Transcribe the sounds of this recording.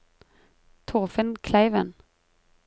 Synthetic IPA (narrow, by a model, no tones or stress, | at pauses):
t̪ʰʊʁfənkʰlæɪʋən